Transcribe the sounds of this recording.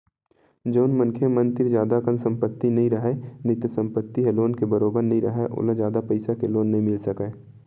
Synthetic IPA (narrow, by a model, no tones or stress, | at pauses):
d͡ʒoːnmə̃nkʰemɐnt̪ɪɾd͡ʒjaːd̪akənsɐ̃mpət̪ːinɐɦĩɾɐɦenɪt̪jəsə̃mpət̪ːiɦeloːnkebəɾoːbəɾnɐɦĩɾɐ̰ɦeʔʊ̰ləd͡ʒjaːd̪apɐɪsakeloːnːɐɦĩmɪlsɐkeː